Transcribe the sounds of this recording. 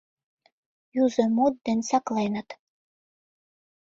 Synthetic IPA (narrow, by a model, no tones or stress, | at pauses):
juzɤ̆mod̪̚ːĕnʲsɑklenə̆t̪